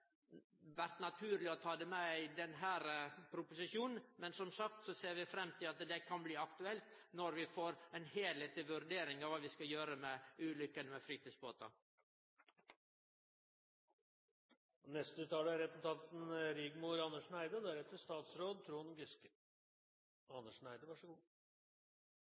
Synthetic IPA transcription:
ʋæɾt̪nɑt̪ʰʉːɾlɪɔt̪ʰɑːd̪ɛmɛæɪd̪ɛnɦæːɾpʰɾʊpʊsɪʃuːnn̩mɛnsɔmsɑk̚t̪sɔseːɾʋɪfɾɛmːt̪ʰɪlɑt̪d̪ɛkʰɑnbliːɑkt̪ʉɛlt̪nɔɾʋɪfoːɾæɪnheːlheːt̪əʋʉɾd̪eːɾɪŋɑʋɑːʋɪskɑjøːɾəmɛʉːlʏkːənəmɛfɾiːt̪iːsbo̰ːt̪ɑ̰ | nɛst̪ət̪ʰɑːləæɾɛpənt̪ʰɑnt̪n̩ɾiɡmuɾɑnːəʂnæɪd̪əd̪æɾɛt̪ːəst̪ɑːt̪sɾoːd̪̚t̪ʰɾuːhɑnɡɪskə | ɑnəʂnæɪd̪əʋɑʂɡuː

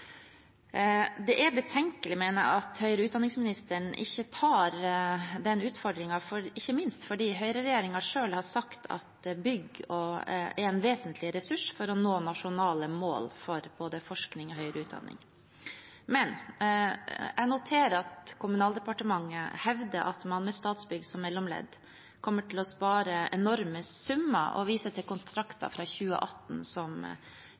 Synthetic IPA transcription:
d̪ɛʔæɾbət̪ʰɛŋkəlɪmɛːnə̰ɑt̪hœʏəɾəʉt̪̚d̪ɑnːɪŋsmɪnɪst̪əɳʔɪçːət̪ʰɑːɾd̪ɛnːʉːt̪fɔɖɾɪŋɑfɔɪçːəmɪnst̪fɔɖiːɦœʏɾəɾɛjeːɾɪŋɑʂøːlhɑʂɑkt̪ʰɑ̰t̪bʏɡɔɛɾɛnʋeːsənt̪ʰlɪɾɛsʉʂfɔɾɔnoːnɑʂʊnɑːləmo̰ːlfɔɾb̥oːd̪əfɔʂknɪŋɔɦœʏɾəʉːt̪̚d̪ɑ̰nːɪ̰ŋ | mɛn | ænʊt̪ʰeːɾəɾɑt̪kʰʊmʉnɑːld̪ɛpɑʈəmɑŋːəhɛʋd̪əʔɑt̪mɑnmɛst̪ɑːt̪sbʏɡsɔmːɛlːɔmlɛ̰d̪ | kʰɔmːəʈɪlɔspɑːɾəʔɛnɔɾməsʉmːə̰ʔɔ̰ʋiːsət̪ʰɪlkʊnt̪ʰɾɑkt̪ɑ̰fɾɑːçʉːə̰ʔɑt̪ːn̩sɔm

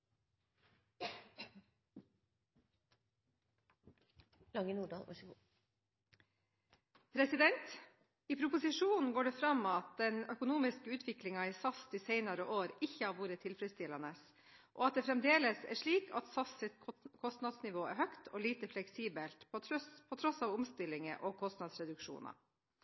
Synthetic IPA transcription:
lɑŋənuːɖɑ̰lʋɑ̰ʂː | pʰɾɛsɪd̪ɛnt̪ | iːpʰɾʊpʊsɪʂuːnn̩ɡoːɖɛfɾɑmːɑt̪̚d̪ɛnœkʊnuːmɪskəʉːt̪ʰʋɪklɪŋɑiːsɑst̪iːseɪnɑɾəʔoːɾɪçːəhɑɾʋuːɾət̪ʰɪlfɾɛst̪ɪlɑnəs | ʔɔɑt̪̚d̪ɛːfɾɛmd̪eːləsæ̰ʂɭiːkʰɑ̰t̪sɑssɪt̪kʰɔst̪nɑd̪snɪʋoːæ̰ɾhœkt̪ʰɔːliːt̪əflɛksiːbəlt̪pʰɔt̪ʰɾɔsɑːʋʊmst̪ɪlɪŋə̰ʔɔkʰɔst̪nɑd̪sɾɛd̪ʉkʂṵːnɑ̰

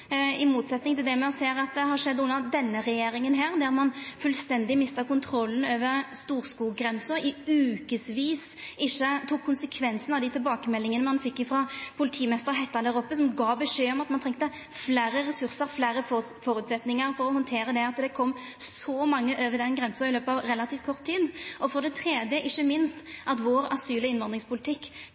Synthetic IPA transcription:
ɪmuːt̪sɛt̪nɪŋt̪ɪld̪ɛmɛɔseːɾɑt̪̚d̪ɛɦɑɾʂɛd̪ːʉnːəɾd̪ɛnːəɾɛjeːɾɪŋənɦæːɾd̪æɾmɑnfʉlst̪ɛnd̪ɪmɪst̪əkʊnt̪ʰɾɔlːn̩øːʋəɾst̪uːɾskuːɡɾɛnsʊɾɪʉːkəsʋiːs | ʔɪçːət̪ʰuːkʰːʊnsəkʰʋɛnsənɑʋd̪ɪt̪ʰɪlbɑːkəmɛlːɪŋənəmɑnfɪkːɪfɾɑpʰʊlɪt̪ʰiːmɛst̪əɾɦɛt̪ːɑd̪æːɾɔpːəsɔmɡɑːbəʂeːɔmɑt̪mɑnt̪ʰɾɛŋkt̪ə | flæːɾəɾɛsʉɾsəɾflæːɾəf | fɔɾʉːt̪sɛt̪nɪŋəɾfɔɾɔhɔnt̪ʰeːɾəd̪ɛɑt̪d̪ɛkʰɔmː | sɔmɑŋːəʔøːʋəd̪ɛnɡɾʁɛnsəɪløːpɑʋɾɛlɑt̪ʰiːft̪̚kʰɔʁt̪ʰːiːd̪ʔɔfɔʁd̪ɛt̪ʰɾeːd̪jəʔɪçːəmɪnst̪ʔɑt̪ʋoːɾɑsyːləɪnʋɑnd̪ʁɪŋspʰʊlɪt̪ʰɪkː

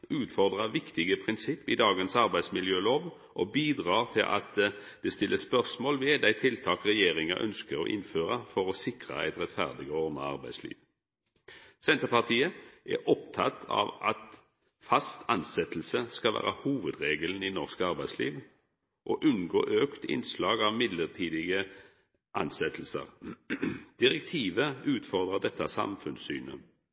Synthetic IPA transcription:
ʉːt̪fɔʁd̪ʁəʋɪkt̪ɪɡəpʰʁɪnsɪpːɪd̪ɑːɡənsɑʁbæɪsmɪljøːloːʋ | ʔɔbiːd̪ʁɑːʁt̪ʰɪlʔɑ̰t̪̚d̪̥ɛst̪ɪlːəspœʁsmoːlʋɛd̪æɪt̪ʰɪlt̪ʰɑːkʁɛjeːʁɪŋəʔœ̰nskəɾo̰ːʔɪ̰nføːʁəfɔʁɔsɪkʁə̰æ̰ɪt̪ʁɛt̪fæ̰ʁd̪ɪɡɔːɔnɑ̰ɑ̰ʁbæɪslḭːʋ | sɛnt̪əʁpɑʁt̪ʰiːəʔæ̰ʔɔpt̪ʰɑ̰t̪ʰːɑ̰ʋɑ̰t̪ | fɑst̪ʰɑnsɛt̪l̩səskɑlʋæ̰ːʁəhuːʋəd̪ʁeːɡəln̩inɔʁskəɑʁbæɪsliːʋ | ʔɔːʔʉnɡoːʔøːkt̪ɪ̰nslɑːɡɑʋmɪd̪ləʁt̪ʰiːd̪ɪɡə | ʔɑnsɛt̪ʰl̩sə̰ʁ | d̪̥ɪʁɛk̚t̪ʰiːʋəʉːt̪fɔʁd̪ʁəd̪ɛt̪ʰːɑsɑ̰mfʉnsyːnə̰

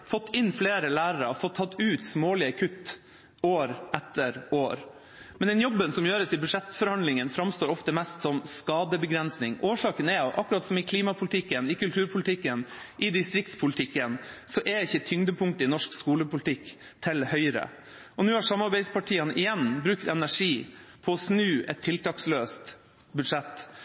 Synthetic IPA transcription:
fɔt̪ːɪnːfleːɾəlæːɾəɾəfɔt̪ʰːɑt̪ːʉːt̪smoːlɪəkʰʉt̪ː | oːɾʔɛt̪ʰːəɾʔoːɾ | mɛnd̪ɛnjɔbːənsɔmjøːɾəsɪbʉʂɛt̪ːfɔɾhɑnd̪lɪŋənfɾɑmst̪oːɾɔft̪əmɛst̪sɔmskɑːd̪əbəɡɾɛnsnɪŋʔoːʂɑːkənɛɔʔɑ̰kːʉɾɑt̪sɔmɪkʰliːmɑpʰʊlt̪ʰɪkːənɪkʉlt̪ʰʉːɾpʰʊlɪt̪ʰɪkːən | ʔɪd̪ɪst̪ɾɪk̚t̪spʰʊlt̪ʰɪkːənsɔʔɛɪçːət̪ʰʏŋd̪əpʰʊŋt̪əɪnɔʂkskuːləpʊlɪt̪ʰɪk | t̪ʰɪlhœʏɾə̰ | ɔnʉːhɑɾʂɑmːɑɾbæɪd̪spʰɑʈʰiːənʔɪjɛnːbɾʉkt̪ɛnæʂiːpʰɔːsnʉːʔɛt̪ʰːɪlt̪ɑːksløːst̪ | bʉd̪ʂɛt̪ː

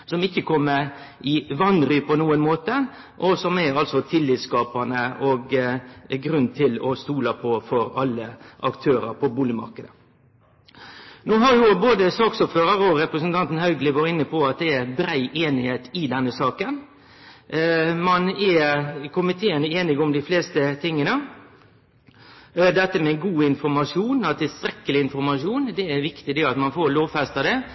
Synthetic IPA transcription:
sɔmɪçːəkʰɔmːəɾ | ɪʋɑnɾyːpɔnuːənmoːt̪ə | ʔɔsɔmɛɾɑlsɔt̪ʰɪlːiːt̪skɑːpɑnəɔɡ | ɡɾʉnt̪ʰɪlɔst̪uːlɑpʰɔfɔɾɑlːəʔɑkt̪ʰøːɾə̰ɾpʰɔbuːlɪmɑ̰ɾkəd̪ə | nuːɦɑɾjʊboːd̪əsɑːksɔːpføːɾəɾɔɾɛpɾəsənt̪ʰɑnt̪n̩hœʉɡlɪʋɑɾɪnːəpʰɔɑt̪̚d̪ɛæbɾæɪʔeːnɪheːt̪ɪd̪ɛnːəsɑːkən | mɑnɛkʰʊmɪt̪ʰeːənəeːnɪɡɔmd̪ɪfleːst̪ət̪ʰɪŋːənə | d̪ɛt̪ːəmɛɡuːɪnfɔɾmɑʂuːnɑt̪ʰːɪlst̪ɾɛkːəlɪɪnfɔɾmɑʂuːnd̪ɛæʋɪkt̪ɪd̪ɛɑt̪mɑnfoːloːʋfæst̪ɑd̪ɛ

